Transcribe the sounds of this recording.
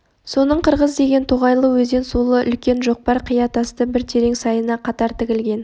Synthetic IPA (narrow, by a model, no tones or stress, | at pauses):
so̞nəɴqʰəɾʁəzd̪e̞ɡʲe̞nt̪ʰoʁɑjlˠəwɵze̞nsulˠəʔʏ̰lkʲe̞nʒo̞q̚pɑɾqʰijɑt̪ɑst̪əbɪɾt̪ʰe̞ɾe̞ŋsɑjənɑqʰɑt̪ɑɾt̪ʰɪkʲɪlɡʲe̞n